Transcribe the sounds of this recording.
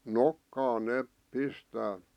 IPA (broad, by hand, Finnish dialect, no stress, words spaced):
nokːɑːn neːp pistæː